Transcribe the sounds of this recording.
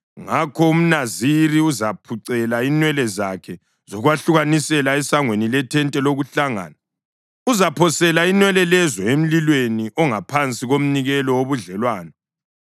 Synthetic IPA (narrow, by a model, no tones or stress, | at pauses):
ŋakʰɔum̩naziɾiuzapʰuǀɛlainwɛlɛzakʰɛ | zɔɣwaɬuɣanisɛlaɛsaŋwenilɛtʰɛntʼɛloɣuɬaŋa̰ːna | uzapʰɔsɛlainwɛlɛlɛzɔem̩lilweniʔɔŋapʰant͡sʼiɣom̩niɣɛlɔwoβuɮɛlwaːnɛ